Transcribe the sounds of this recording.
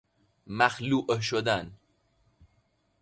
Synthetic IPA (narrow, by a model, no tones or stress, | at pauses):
maxluʔəʃod̪an